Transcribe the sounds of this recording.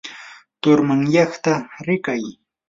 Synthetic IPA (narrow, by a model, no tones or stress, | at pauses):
t̪ʊɾmaŋjɑχt̪aɾɪkaj